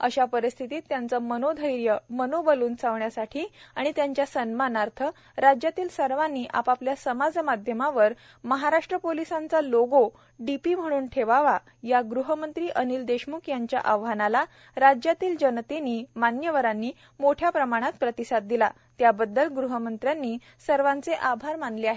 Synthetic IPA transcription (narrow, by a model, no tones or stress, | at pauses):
əɕapəɾist̪ʰit̪iːt̪ːjant͡səmənod̪ʱəɾjəmənobəluːnt͡sʰaʋɳjasaʈʰiːaɽ̃it̪jaɲt͡ɕjasənmanaɾt̪ʰə | ɾad͡ʑjat̪iːlsəɾʋanːiːʔa̰papljasəmad͡zmad̪ʱjəmaʋəɾ | məɦaɾaʂʈɾəpolisãnt͡saloɡo | ɖipiːm̤əɽ̃uːnʈʰeʋaʋa | jaɡɾuɦəmənt̪ɾiːʔənild̪eɕmukjaɲt͡ɕja̰ʔəʋɦanala | ɾad͡ʑjat̪iːld͡ʑənt̪eniːmanjəʋəɾanːiː | moʈʰjapɾəmaɽ̃at̪pɾət̪isad̪̚d̪ila | t̪jabəd̪ːəlɡɾuɦəmənt̪ɾjanːiː | səɾʋãnt͡seʔabʱaɾmanleaɦe